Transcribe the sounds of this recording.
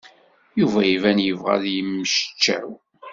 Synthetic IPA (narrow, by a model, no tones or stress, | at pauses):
juvæjivænjəvʁæ̰ðjəmːəʃt͡ʃːæ̰ɾ